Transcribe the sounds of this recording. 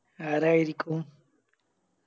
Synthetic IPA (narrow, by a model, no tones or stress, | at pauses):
aɾajɾikʼu